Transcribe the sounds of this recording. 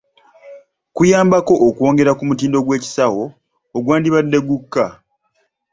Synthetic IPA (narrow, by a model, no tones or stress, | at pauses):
kujaːmbako̞ʔːkuo̞ːŋɡe̞ɾakumut̬iːndo̞ɡwe̞ːci̥sawo̞ː | ɡwaːndiβadːe̞ɡukːa